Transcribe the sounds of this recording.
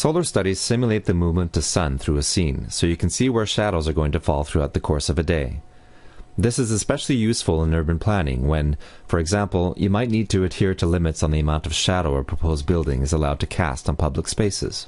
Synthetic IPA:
soʊlˠə˞stʌɾiz̥sɪ̃mjəlˠeɪt̪̚ðɨmuvmə̃ntʰɨsʌ̃nθɹʉɨsĩnsoʊjɨkʰn̩siwə˞ʃæɾoʊzə˞ɡoʊɪ̃ŋtʰɨfɔlˠθɹʉaʊt̪̚ðɨkʰɔɹsʌvɨdeɪ | ðɪsɨzɨspɛʃl̩ˠijʉsfl̩ˠə̃nɜ˞bɨ̃npʰl̥ænɪ̰̃ŋwɨ̃n | fə˞ɨɡzæ̃mpl̩ˠjɨmaɪtⁿnid̚tʰɨːd̚hiɹɾəlɪ̃mɨtsn̩ðiɨmãʊ̃ntʌv̥ʃæɾoʊə˞pʰɹ̥əpʰoʊzbɪlˠdɪ̰̃ŋɨzəlaʊd̚tʰɨkʰæ̰stn̩pʰʌbləkspeɪsɨ̰z̥

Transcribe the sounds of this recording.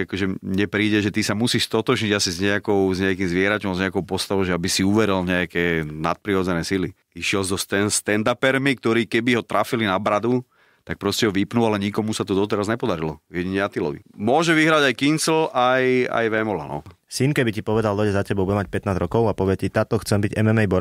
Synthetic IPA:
akɔʒɛɲɛpɾiːɟɛʒɛt̪isamusiːʃst̪ɔt̪ɔʒɲiɟasizɲɛakɔʊzɲɛakiːmzʋɪɛɾacɔʊ̃zɲɛakɔʊpɔst̪aʋɔʊʒɛabisiuʋɛɾilɲɛakɛːna̰t̪̚pɾiɔːd͡zɛnɛːsili | iʃɪɛlzɔst̪ɛst̪ɛnd̪apɛɾmik̚t̪ɔɾiːkɛbiɦɔt̪ɾʔafilinabɾad̪u | t̪ak̚pɾɔscɛɦɔʋipnualɛɲikɔmusat̪ud̪ɔt̪ɛɾazɲɛpɔd̪aɾilɔʋjɛɟiɲɛat̪ilɔ̰ʋḭmʊɔʒɛʋiɦɾaɟajkinsl̩ʔaja̰jʋɛmɔla̰nɔ̰ | sinkɛbicipɔʋɛd̪ald̪ɔɟazacɛbɔbuɟɛmac̚pɛt̪naːd͡zɾɔkɔʊapɔʋɪɛcit̪aːt̪ɔxt͡sɛmbiɟɛmɛmɛjbɔɾ

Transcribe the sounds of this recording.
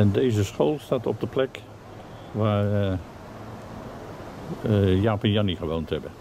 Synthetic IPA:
ɛndejzəsχoːlˠstaːtɔp̚dəplɛk | ʋaːr | jaːpɛnjɑniχəʋowntɦɛbə

